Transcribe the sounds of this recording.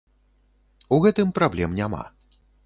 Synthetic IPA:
uɣɛt̪ɨmpɾablʲɛmnʲama̰

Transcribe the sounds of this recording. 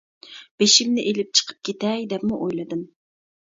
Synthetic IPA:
b̥eʃimnɪʔelɪp̚t͡ʃʰə̥qʰə̥p̚kʲʰet̪ɛjd̪ɛpmuʔojlˠɨd̪ɨm

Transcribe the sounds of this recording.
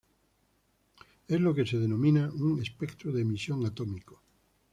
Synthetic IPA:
ezlokeseð̞enõmĩnauŋespekt̪ɾoðeːmisjoŋat̪omiko̥

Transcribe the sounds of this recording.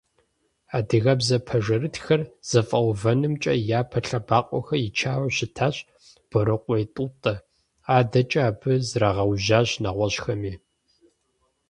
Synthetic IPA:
aːdɨɣɐbzɐpʰɐʒɐɾɨtxɐrz̥ɐfʼɐwvɐnɨmt͡ʃʼɐjaːpʰɐɬɐbaːqʷʼɔ̰xɐjɪt͡ʃʰaːwɕɪtʰaːɕ | b̥ɨɾɨqʷʼɔjtʼuːtʼɐ | aːdɐt͡ʃʼaːbɨzraʁɐwʑaːʑnɐʁʷɔɕxɐmiː

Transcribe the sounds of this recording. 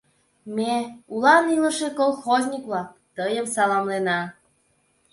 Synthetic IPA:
meulɑniləʃekolˠxozʲnʲikβlɑk̚ | t̪əjəmsɑlɑmlenɑ

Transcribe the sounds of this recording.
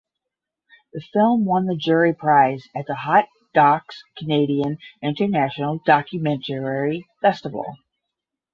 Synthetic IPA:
ðɨfɪlˠmwʌ̃nðɨd͡ʒʊɹipʰɹ̥aɪzɨt̪̚ðəhɑt̚d̥ɑkskʰɨneɪɾiɨ̃nɪ̃ntə˞næʃnl̩ˠd̥ɑkjɨmɛ̃ntʰəɛɹifɛstəvl̩ˠ

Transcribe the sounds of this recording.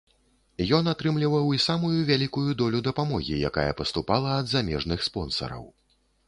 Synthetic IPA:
jɔnat̪ɾɨmlʲivɐwisamujuvʲalʲikujud̪ɔlʲud̪ɐpamɔɣʲḭjaka̰jɐ̰pɐst̪upalˠɐɐd̪zamʲɛʐnɨxspɔn̪sɐ̰ɾɐ̰w

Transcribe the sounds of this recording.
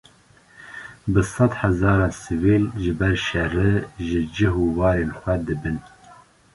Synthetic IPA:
bɨsɑd̪hɛzɑːɾɑːnsɨviːlʒɨbɛɾʃɛrɨʒɨd͡ʒɪɦuːwɑːɾeːnxʷɛd̪ɨbɨn

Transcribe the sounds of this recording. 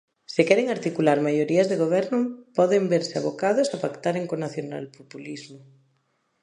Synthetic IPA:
sɪkɛɾeŋaɾt̪ikulaɾmajoɾiazðeɣ̞oβ̞ɛɾnʊpɔðembeɾsɪaβokaðʊsapakt̪aɾeŋkonaθjona̰lpopulizmʊ

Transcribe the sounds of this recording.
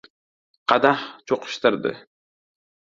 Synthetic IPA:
qʰɑd̪aht͡ʃʰoqʰʊ̥ʃt̪ɪɾd̪ɪ̰

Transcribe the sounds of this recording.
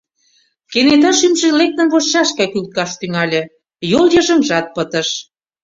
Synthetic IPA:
kenet̪̬ɑʃymʒĕlek̚t̪ə̆nβost͡ɕɑʃkɑkylt̪̚kɑʃt̪yŋɑlʲĕ | joljəʒə̆mʒɑt̪̚pə̆t̪ə̆ʃ

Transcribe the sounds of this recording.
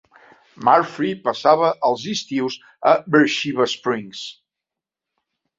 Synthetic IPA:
maɾfɾipəsaβəʔəlˠzist̪iwz | əbəɾʃiβəspɾiŋs

